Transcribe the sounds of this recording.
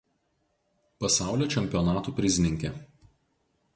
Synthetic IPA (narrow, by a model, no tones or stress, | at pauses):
pɐsɑˑʊlʲoːt͡ʃʲɛmʲpʲiɔnɑːt̪uːpʲɾʲɪsʲɪnʲɪŋʲkʲɛˑ